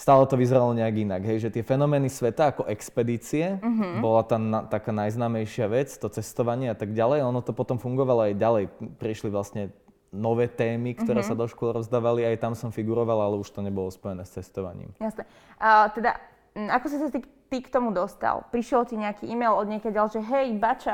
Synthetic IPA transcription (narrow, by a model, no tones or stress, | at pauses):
st̪aːlɛt̪ɔʋizɛɾalɔɲɛaɡinaɡɦɛjʒɛt̪ɪɛfɛnɔmɛːnisʋɛt̪aːkɔʔɛkspɛd̪iːt͡siɛɦbɔlat̪aːnat̪akaːnajznaːmɛjʃɪaʋɛt͡st̪ɔt͡sɛst̪ɔʋaɲɪɛat̪aɡɟalɛjɔnɔt̪ɔpɔt̪ɔmfuŋɡɔʋalɔajɟalɛjpɾiʃliʋlasɲɛ | nɔʋɛːt̪ɛːmikt̪ɔɾɛːssad̪ɔʃkʊɔlɾɔzd̪aːʋaliajt̪amsɔmfiɡuɾɔʋalalɛuʃt̪ɔɲɛbɔlɔspɔjɛnɛːst͡sɛst̪ɔʋa̰ɲḭːmjasnɛ | t̪ɛd̪a̰ | akɔsisat̪it̪ikt̪ɔmud̪ɔst̪a̰lˠpɾiʃɪɛlt̪iɲɛakiʔimɛjlɔd̪ɲɛkaɟalʒɛɦɛjbat͡ʃa